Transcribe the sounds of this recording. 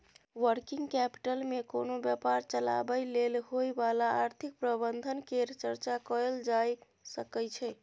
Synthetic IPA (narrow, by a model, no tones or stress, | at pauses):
ʋəɾkiŋɡkɛpi̥ʈəlmekonobjəpaɾt͡ʃəla̰bəjlelɦojbalaːɾt̪ʰik̚pɾəbənd̪ʱənkeɾt͡ʃəɾt͡ʃakəld͡ʒaj | səkəjt͡ʃʰɛ